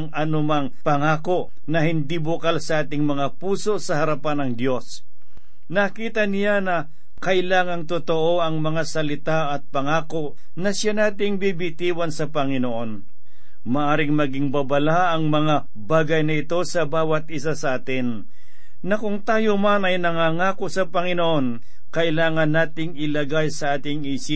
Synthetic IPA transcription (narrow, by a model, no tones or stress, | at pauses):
ŋɐnʊmaŋpɐŋaːko̞ʔ | nɐhɪnd̪ibʊkalsɐʔaːt̪ɪŋmɐŋapuːso̞sɐhɐɾɐpanɐŋd̪jo̞s | nɐkiːt̪ɐnɪjanɐ | kɐʔɪlaːŋɐŋt̪ot̪oʔo̞ɐŋmɐŋasɐlɪt̪aʔɐt̪̚pɐŋaːko̞ʔ | nɐsanaːt̪ɪŋbibɪt̪iːwɐnsɐpɐŋɪnoʔo̞n | mɐʔaːɾɪŋmɐɡɪŋbɐbɐla | ɐŋmɐŋa | baːɡɐjnɐɪt̪o̞sɐbaːwɐt̪̚ʔɪsasɐʔaːt̪ɪn | nɐkʊŋt̪aːjomanɐjnɐŋaːŋaːko̞sɐpɐŋɪnoʔo̞n | kɐʔɪlaːŋɐnːaːt̪ɪŋɪlɐɡajsɐʔaːt̪ɪŋiːsɪ